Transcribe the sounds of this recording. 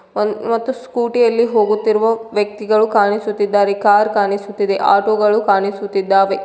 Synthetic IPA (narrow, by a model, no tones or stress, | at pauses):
mɐt̪ːuskuːʈijɐlːiɦo̞ːɡut̪ːiɾuʋɐʋjɐk̚t̪iɡɐɭukaːɳisut̪ːid̪ːaːɾekaːɾkaːnisut̪ːid̪e̞ʔa̰ːʈoːɡɐɭukaːnisut̪ːid̪ːaːʋe